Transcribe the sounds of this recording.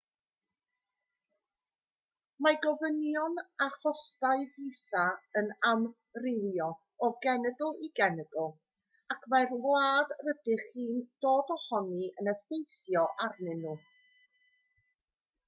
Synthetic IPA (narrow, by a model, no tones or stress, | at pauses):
maɡɔvənjɔnaχɔstaɨvisaənam | rɪlˠjɔ | ɔɡɛnəɡʊlˠiɡɛnəɡʊlˠ | akʰmarvlaːdrədɪχiːnd̥oːdɔhɔniənəfejθjɔʔarnɪnːuː